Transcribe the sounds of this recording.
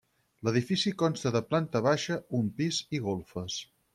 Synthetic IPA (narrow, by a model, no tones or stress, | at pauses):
ləðifisikɔnst̪əðəplant̪əβ̞aʃəumpiziɣolˠfəs